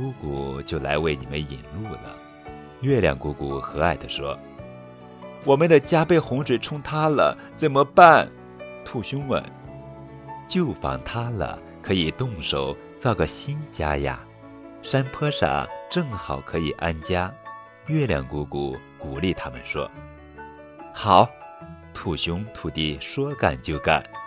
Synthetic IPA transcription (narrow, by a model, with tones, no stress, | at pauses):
ku˥ku˨˩t͡ɕjo˥˩ʊla̰˧˥ɪwe˥˩ɪni˨˩mə˦nḭ˨˩nlu˥˩lə̰˩ | ɥɛ˥˩ljɑ̰˨˩ŋku˧˥ku˨˩xɤ˧˥a˥˩ɪd̪ə˦ʂwɔ˥ | wɔ˨˩mə˧˦nd̪ə˨t͡ɕja˥pe˥˩ɪxʊ˧˥ŋʂwe˨˩ɪʈ͡ʂʰʊ˥ŋt̪ʰa˥lə̰˨ | t͡sə˨˩mə˧pa˥˩n | t̪ʰu˥˩ɕʊ˥ŋwə̰˧˥n | t͡ɕjo˥˩ʊfɑ̰˨˩ŋt̪ʰa˥lə̰˨˩ | kʰɤ˧˥i˨˩t̪ʊ˥˩ŋʂo˨˩˦ʊ | t͡sɑ˥˧ʊɡə˩ɕi˥nt͡ɕja̰˥ja̰˧ | ʂa˥npʰɤ˥ʂa̰˨˩ʈ͡ʂɤ˥˩ŋxɑ˨˩ʊkʰɤ˧˥i˨˩ʔa˥nt͡ɕja˥ | ɥɛ˥˩ljɑ̰˨˩ŋku˧˥ku˨˩˦ | ku˨˩li˥˩t̪ʰa˥mə˨nʂwɔ̰˥ | xɑ˨˩˦ʊt̪ʰu˥˩ɕʊ˥ŋt̪ʰu˨˩t̪i˥˩ʂwɔ˥ka̰˨˩nt͡ɕjo˥˧˩ʊka̰˨˩˦n